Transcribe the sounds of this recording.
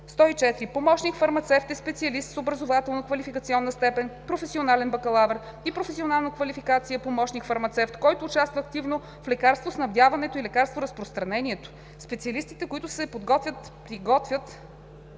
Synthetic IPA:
st̪ɔit͡ʃɛt̪ɾipomɔʃnikfɐɾmɐt̪sɛft̪ɛspɛt̪siɐlist̪sobɾɐzovat̪ɛlˠnəkvɐlifikət̪iɔnːəst̪ɛpɛnpɾofɛsionalɛnbɐkɐlˠavɛɾ | ipɾofɛsionalˠnəkvɐlifikat̪siəpomɔʃnikfɐɾmɐt̪sɛft̪kɔjt̪ʊːt͡ʃast̪vəːkt̪ivno | flɛkaɾst̪vosnɐvd̪javɐnɛt̪oilɛkaɾst̪voɾɐspɾost̪ɾɐnɛniɛt̪o̥ | spɛt̪siɐlist̪it̪ɛkoit̪ʊsɛpod̪ɡɔt̪vʲət̪pɾiɡɔt̪vʲət̪

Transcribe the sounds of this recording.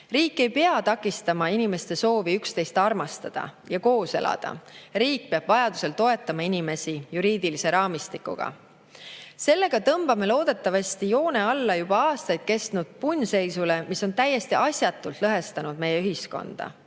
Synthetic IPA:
riːkːˑe̞jpe̞ɑt̪ɑkːˑist̪ɑmɑinime̞st̪e̞so̞ːviykst̪e̞jst̪ɑrmɑst̪ɑd̪̥ɑ̰ | jɑko̞ːse̞̰lɑ̰d̪̥ɑ̰ɾiːk̚peɑb̥vɑjɑd̪u̥se̞lt̪o̞e̞t̪ːˑɑmɑinime̞sijuɾiːd̪̥ilise̞ɾɑːmist̪ikːˑṵɡ̥ɑ̰ | se̞lːe̞ɡ̥ɑt̪ɤmb̥ɑme̞lo̞ːd̪̥e̞t̪ːˑɑvɑsʲt̪ijo̞ːne̞ɑlːɑjub̥ɑɑːst̪ɑjd̪̥̚ke̞st̪nud̪̥̚punʲse̞jsule̞miso̞nt̪æjːe̞st̪iʔɑsʲjɑt̪ːˑult̪ˑlɤɦe̞st̪ɑnud̪̥̚me̞jeyɦisko̞̰nd̪̥ɑ̰

